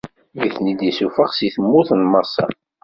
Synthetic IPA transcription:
jiθnid̪isufəʁsiθəmːuθnməɾsɑ̰

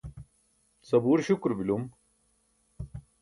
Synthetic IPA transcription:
sɐbuːɾɕukɾbilum

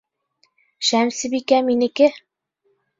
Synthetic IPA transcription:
ʃæmsɘ̆bikæminɘ̆kɘ

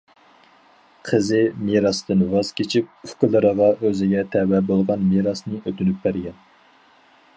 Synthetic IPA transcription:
qʰəzɨmeɾɑsd̪ɨnvɑz̥kʲʰet͡ʃʰip̚y̥kʲʊlˠɨɾəʁɑʔøzɪɡʲɛt̪ʰɛwɛbolˠʁɑnmeɾɑsnɨʔøt̪ynyp̚bæɾɡʲɛn

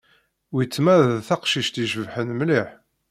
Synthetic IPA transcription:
wit͡sːmæðθæqʃiʃt̪iʒəvħənmliħ

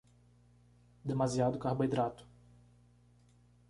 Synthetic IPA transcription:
d̪emaziad̪ʊkahboid̪ɾat̪ʊ̥

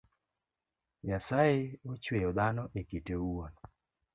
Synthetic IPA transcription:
jasajeot͡ʃwejod̪anɔʔekiteuon

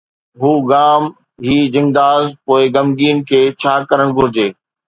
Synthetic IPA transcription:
ɦuːɡaːm | ɦiːd͡ʑɪ̃ŋd̪aːzpoːɪɡɐmɡiːnkʰeːt͡ɕʰaːkɐɾəɽ̃ɡʱʊɾɪd͡ʑeː

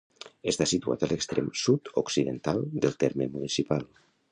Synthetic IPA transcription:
est̪asit̪ua̰t̪əlʔəkst̪ɾɛmsut̪oksiðənt̪alˠd̪əlˠt̪ɛɾmemunisipalˠ

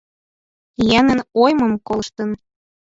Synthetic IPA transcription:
jænənojmɤmkolˠʃt̪ə̆n

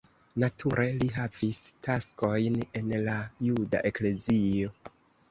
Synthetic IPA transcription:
natʰuɾʔe̞liɦavistasko̞jne̞nlajuda̰ʔe̞kle̞zio̞

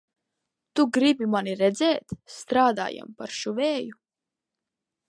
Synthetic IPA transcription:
t̪uɡɾibimaniɾɛd̪zɛːt̪st̪ɾaːd̪a̰ːja̰mpaɾʃuvɛːju

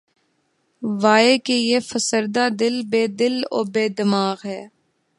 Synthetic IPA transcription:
ʋaːekejefəsəɾd̪ad̪ɪlbeːd̪ɪlo̰ːbeːd̪ɪmaːɣɦɛː

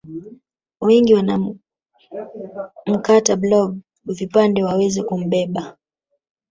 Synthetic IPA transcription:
wɛŋɡiwana | m̩katablɔɡ | vipandɛwawɛzɛkum̩ɓɛɓa

